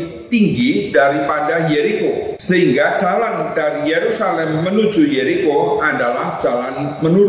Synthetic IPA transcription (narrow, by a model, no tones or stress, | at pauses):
t̪iŋɡidaɾipadahjeɾikosəɦiŋɡḁd͡ʒ̥aland̥aɾijeɾusalɛmːənu̥d͡ʒ̥ujeɾikoadalahd̥d͡ʒ̥alanmənu